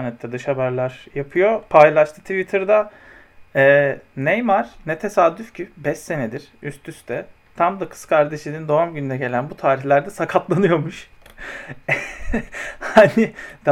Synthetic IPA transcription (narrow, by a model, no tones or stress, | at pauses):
ɾnɛt̪ʰːɛd̪ɯʃhabæɾlʲæɾjapʰɯjo̞pʰajlˠaʃt̪ʰɯt̪ʰivit̪ʰɯɾd̪a | ɛːnɛjmaɾ̥nɛt̪ʰe̞sad̪ːyfcʰybɛʃe̞ned̪iɾ̥yst̪ʰyst̪ʰɛ | t̪ʰamd̪akʰɯ̥skʰaɾd̪e̞ʃʲinind̪o̞vamɟynyd̪ɛɟe̞lʲænbut̪ʰaːɾiçlʲæɾd̪ɛsakʰaplˠanɯjo̞muʃ | hanɪd̪a